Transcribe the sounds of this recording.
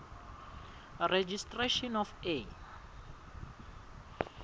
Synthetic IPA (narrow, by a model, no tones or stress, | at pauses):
red͡ʒistʼreʃɔnɔfe